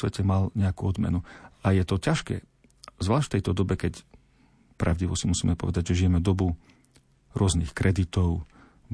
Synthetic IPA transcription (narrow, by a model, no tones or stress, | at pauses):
ʋɛcɛmalɲɛakuːɔd̪mɛ̰nuʔajɛt̪ɔcaʃkɛ̰ː | zʋlaːʃtft̪ɛjt̪ɔd̪ɔbɛkɛc | pɾʔaʊɟiʋɔsimusiːmɛpɔ̰ʋɛd̪aɟʒɛʒijɛmɛd̪ɔbu | ɾʊɔznixkɾɛd̪it̪ɔʊ